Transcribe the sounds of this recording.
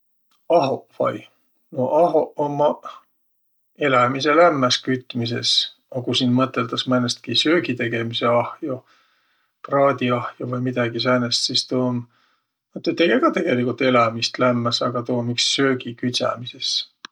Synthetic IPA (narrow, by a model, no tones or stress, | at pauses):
ɑɦovɑ̰j | noʔɑɦoʔomːɑ | e̞læmise̞læmːæskyt̪ːmis̬e̞̰s | ɑkusiːnmɤt̪ːˑe̞ld̪ɑsmænest̪̚kisøːɡit̪e̞ɡ̥e̞mise̞ɑhjo | prɑːd̪̥ʲiɑhjovɤjmid̪̥ɑɡ̥isænest̪sist̪oːm | ɑt̪ːˑet̪ːeɡeɡɑt̪e̞ɡ̥e̞likult̪ːˑe̞lɑmist̪læmːæsɑɡ̥ɑt̪oːmiksːø̞ːɡikyt̪ʲsɑ̰mise̞s